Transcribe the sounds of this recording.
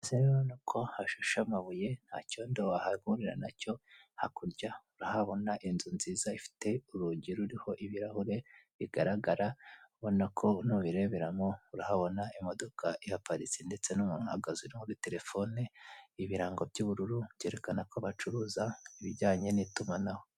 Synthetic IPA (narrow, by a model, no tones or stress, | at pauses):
seɾeɾonukʰo̞haʃuʃamaβuje̞n̥ha̰ːco̞ːndoahaɡuɾiɾa̰naco̞hakuɾɟauɾahaβo̞naʔinzunziːzaifi̥te̞uɾuɟiɾuɾiho̞ʔiβiɾahuɾe̞βiɡaɾaɡaɾauβo̞nakʰo̞nuβiɾe̞βeɾamouɾahaβo̞naimo̞do̞kʰaʔihapaɾisinde̞t͡se̞numuːn̥uha̰ɡaziɾimuɾite̞ɾe̞fo̞neiβiɾaːŋɡo̞bɟuβuɾuɾuβje̞ɾe̞kanako̞βat͡ʃuɾuːzaiβiɟaːɲe̞nitumanaho̞